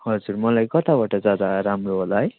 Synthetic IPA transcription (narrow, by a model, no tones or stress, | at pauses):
hʌd͡zurmʌlajkʌt̪abaʈʌd͡zjad̪aɾamroɦolaɦʌj